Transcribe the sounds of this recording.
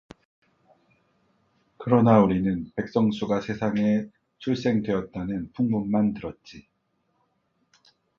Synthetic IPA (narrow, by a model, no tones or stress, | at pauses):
kɯɾʌnauɾinɯnpe̞k̚s͈ʌŋsʰuɡasʰe̞sʰaŋe̞ | t͡ɕʰuɭs͈e̞ŋdwe̞ʌt̚t͈anɯnpuŋmunmantɯɾʌt̚t͡ɕ͈i